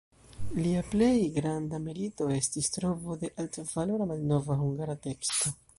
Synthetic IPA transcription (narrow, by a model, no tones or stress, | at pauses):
liaple̞jɡɾandamilito̞e̞stistɾo̞vo̞de̞ʔaltvaloɾamalno̞vahuŋɡaɾate̞ksto̞